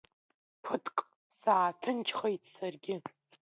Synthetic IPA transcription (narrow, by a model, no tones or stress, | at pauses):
pʰɨtʰʼkʼ | saːtʰɨnt͡ʃʰχejtʰsarɡʲɪ